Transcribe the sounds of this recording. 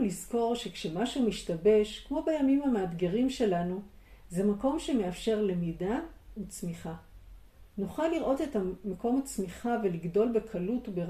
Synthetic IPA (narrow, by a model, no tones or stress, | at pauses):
lizko̞ʁʃe̞kʃemaʃumiʃtabe̞ʃkmo̞bejamimameadɡeʁimʃe̞lanuzemako̞mʃe̞me̞afʃe̞ʁle̞midaut͡smiχa | nuχalːiʁʔo̞te̞tamako̞mat͡smiχave̞liɡdo̞lbe̞kʰalutube